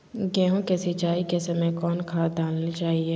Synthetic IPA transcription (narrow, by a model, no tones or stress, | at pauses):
ɡɛ̃ːɦõkesɪt͡ʃaːikesɐmẽkɔːnkʰaːd̪aːlnit͡ʃaːɦieː